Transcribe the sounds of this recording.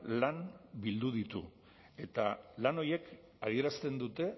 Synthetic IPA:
lanbild̪uð̞it̪ṵ | e̞t̪alano̞je̞k | aðie̞ɾast̪e̞nd̪ut̪e̞

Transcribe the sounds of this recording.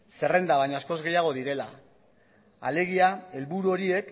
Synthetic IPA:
se̞re̞nd̪aβajɲasko̞zɣe̞jaɣ̞o̞ðiɾe̞la̰ | a̰le̞ɣ̞iae̞lβuɾuo̞ɾie̞k

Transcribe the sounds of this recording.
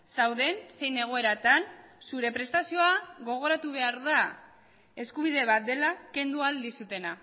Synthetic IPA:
sawðe̞nse̞jne̞ɣ̞o̞e̞ɾat̪ansuɾe̞pɾe̞st̪asio̞aɣo̞ɣ̞o̞ɾat̪uβ̞e̞aɾða | e̞skuβ̞ið̞e̞β̞at̪̚d̪e̞lake̞nd̪uald̪isut̪e̞na

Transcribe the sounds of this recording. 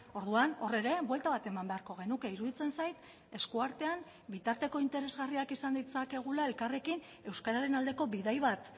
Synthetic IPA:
o̞ɾðuano̞re̞ɾe̞βwe̞lt̪aβat̪e̞mambe̞aɾko̞ɣ̞e̞nukeiɾuðit͡se̞nsajt̪ | e̞skuaɾt̪e̞an | bit̪aɾt̪e̞ko̞int̪e̞ɾe̞zɣariakisand̪it͡sake̞ɣ̞ulae̞lkare̞kin | e̞wskaɾaɾe̞nald̪e̞ko̞βiðajβat̪

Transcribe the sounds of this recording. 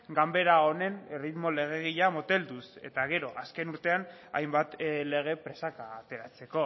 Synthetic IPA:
ɡambe̞ɾao̞ne̞nrit̪mo̞le̞ɣ̞e̞ɣ̞iʎamot̪e̞ld̪use̞̰t̪aɣ̞e̞ɾo̞ʔaske̞nuɾt̪e̞ana̰jmbat̪le̞ɣ̞e̞pɾe̞sakaːt̪e̞ɾat͡se̞ko̞

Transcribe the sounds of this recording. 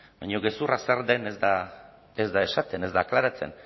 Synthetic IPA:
bajɲo̞ɣe̞suraseɾd̪e̞nezd̪a | ezd̪aeʃat̪e̞ne̞zd̪aːklaɾat͡se̞̰n

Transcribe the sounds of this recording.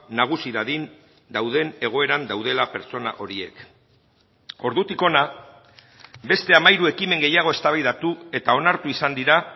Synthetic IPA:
naɣ̞usiðaðin | d̪awð̞e̞ne̞ɣ̞o̞e̞ɾand̪awð̞e̞lape̞ɾt͡so̞na̰ʔo̞ɾie̞̰k | o̞ɾðut̪iko̞na | be̞st̪e̞amajɾue̞kime̞ŋɡe̞jaɣ̞o̞e̞st̪aβajðat̪ue̞t̪ao̞naɾt̪uisand̪iɾa

